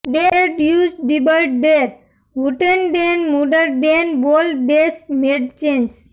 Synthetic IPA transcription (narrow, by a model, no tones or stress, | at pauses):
beɾeʈjud͡ʒɖɖibəlʈ̚beɾ | ɦuʈenɖenmuɖəɾʈbenbolbesmeɖt͡ʃẽns